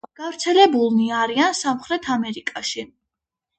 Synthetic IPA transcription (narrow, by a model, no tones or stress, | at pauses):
ɡ̥avɾt̪sʰɛlɛbulˠniaɾiansamχɾɛt̪ʰamɛɾikʼaʃi